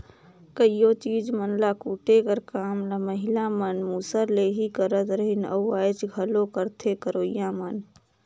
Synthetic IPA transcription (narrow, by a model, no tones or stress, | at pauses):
kəijot͡ʃiːd͡ʒmənlakuːʈekəɾkaːmlaməɦɪlamənmuːsəɾleɦikəɾət̪ɾəɦɪnə̰aːjt͡ʃɡʱəlõkəɾt̪ʰekəɾoːjãmən